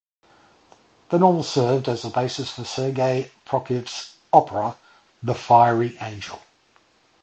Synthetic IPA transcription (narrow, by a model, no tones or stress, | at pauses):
ðə̃nɔːlˠsɜːvdəzəbeɪsəsfəsɜːɡeɪpʰɹ̥ɒkʰɪvs | ɒpʰəɹə | ðəfaɪəɹiʔẽɪ̃nd͡ʒə̰lˠ